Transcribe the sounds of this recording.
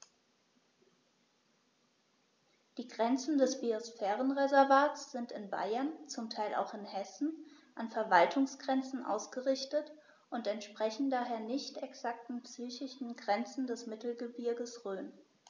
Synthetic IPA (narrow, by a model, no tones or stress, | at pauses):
d̥iːɡʁɛnt͡sn̩dɛsb̥iosfɛːʁənʁezɛɐvaːtsz̥ɪntɪnba̰ɪɐnt͡sʊmtʰaɪlʔa̰ʊxɪnhɛsn̩ | ʔanfɛɐvaltʰʊŋsɡ̥ʁɛnt͡sn̩ʔa̰ʊsɡ̥əʁɪçtət | ʔʊntɛntʃpʁ̥ɛçn̩daːɦeːɐnɪçtɛksak̚tn̩psyːçɪʃn̩ɡʁɛnt͡sn̩dɛsmɪtl̩ɡəbɪɐɡəsʁøːn